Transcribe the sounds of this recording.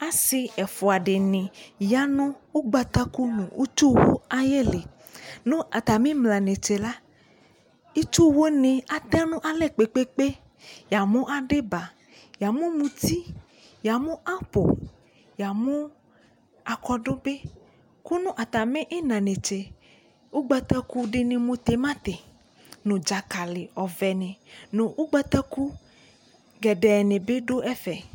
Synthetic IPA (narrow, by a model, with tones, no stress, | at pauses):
a˦si˧ɛ˨fo˨a˨ɖe˨nĩ˨ja˦nɔ̃˦wo˦ɡ͡ba˨t̪a˦ku˦nṵ̃˨wʔu˦t͡ʃu˦wo̰˦a˦je˦le˨ | nũ˦a˨t̪a˨mĩ˦mlã˨nẽ˨t͡ʃe˨la˦ | i˦t͡ʃu˦wo˦nĩ˨a˨t̪ɛ˦nũ˦ʔa˨lɛ˦˨k͡pe˨k͡pe˦k͡pe˦ | ja˨mũ˦ʔa˨ɖe˦ba˨ | ja˨mũ˦mũ˧t̪i˦ | ja˨mũ˦ʔa˦po̰˨ | ja˨mũ˦ | a˨kɔ˦ɖo˦be˦ | ku˦nũ˦ʔa˨t̪a˨mẽ˦ʔe˦nã˨nẽ˨t͡ʃe˨ | wo˦ɡ͡bɛ˦t̪ɛ˦ku˦ɖe˦nẽ˨mõ˦t̪e˨mã˦t̪e˨ | nõ˨d͡ʒa˨ka˨le˨ɔ˨vɛ˨nẽ˨nõ˨wʔo˦ɡ͡bɛ˦t̪ɛ˦ku˦ | ɡɛ˨ɖɛ˨nẽ˨be˦ɖo˦ʔɛ˦fɛ˨